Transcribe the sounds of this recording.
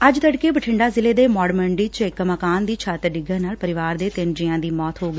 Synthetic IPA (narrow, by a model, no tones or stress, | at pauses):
əd͡ʒt̪əɽkeːbəʈʰɪɳɖaːzɪleːd̪eːmɔːɽməɳɖiːt͡ʃɪkːməkaːnd̪iːt͡ʃʰaːt̪ɾɖɪɡəɾnaːlpəɾɪʋaːɾd̪eːt̪ɪnd͡ʒɪãːd̪iːmɔːt̪ɦoːɡəː